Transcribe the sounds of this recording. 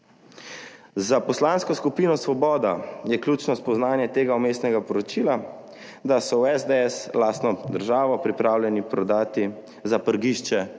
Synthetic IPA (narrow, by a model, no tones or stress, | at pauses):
zapɔslanskɔskupiːnɔsʋɔbɔːd̪ajɛklʲjuːt͡ʃnɔspɔznaːnjɛt̪eːɡaumeːst̪nɛɡapɔɾɔt͡ʃiːla | d̪asɔwɛzd̪ɛɛslaːst̪nɔd̪əɾʒaːʋɔpɾipɾaːwlʲjɛnipɾɔd̪aːt̪i | zapəɾɡiːʃt͡ʃɛ